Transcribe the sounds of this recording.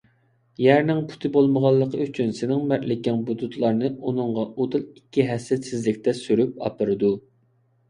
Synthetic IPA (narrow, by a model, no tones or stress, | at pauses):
jæɾnɪŋpʰu̥t̪ʰɨbolˠməʁɑlˠːəqʰəyt͡ʃʰynsɪnɪŋmæɾlɪkʲɛŋbud̪ut̪ʰlˠɑɾnɨunɨŋʁɑod̪ɨlˠikʲːiɦɛsɛt̪sɪzlɪkʲt̪ʰɛsyɾyp̚ɑ̰pɨɾɨd̪u